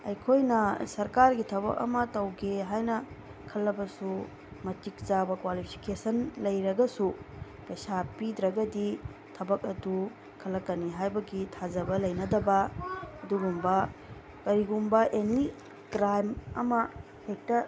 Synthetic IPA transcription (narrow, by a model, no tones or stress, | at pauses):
ɐjkʰojnɐsɐɾkaɾɡitʰɐbɐ̰k̚ɐ̰mɐtɐwɡeɦajnɐ | kʰɐlːɐbɐsu | mɐtik̚zabɐkwalipʰi̥kesɐnlɐjɾɐɡɐsu | pɐjsapidɾɐɡɐdi | tʰɐbɐk̚ɐdu | kʰɐlːɐkːɐniɦajbɐɡitʰad͡ʒɐbɐlɐjnɐdɐbɐɐduɡumbɐ | kɐɾiɡumbɐʔeni | kɾajmɐ̰mɐ | hek̚tɐ